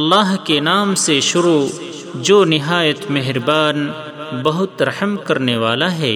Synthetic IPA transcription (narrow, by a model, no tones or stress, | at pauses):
ɐlːaːɦkenaːmseʃʊɾu | d͡ʒoːnɪɦaːjət̪meɦɾbaːn | bɐɦʊt̪ɾɐħəmkɐɾneʋaːlaɦɛ̰ː